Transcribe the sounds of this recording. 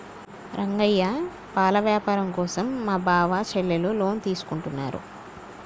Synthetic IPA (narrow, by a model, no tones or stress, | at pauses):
ɾʔɐŋɡɐjːa | paːlɐʋjaːpaːɾɐmkɔːsɐmːaːbʱaːʋat͡ʃɛɭːelulo̞ːnt̪iːsu̥kuɳʈunːa̰ːɾṵ